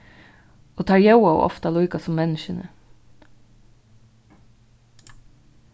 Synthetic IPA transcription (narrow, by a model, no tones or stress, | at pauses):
oːt̪ʰɑːɹjɑʊɑʊʔɔ̰ft̪ɑlʊʏkɑsɔmmɛnʃənə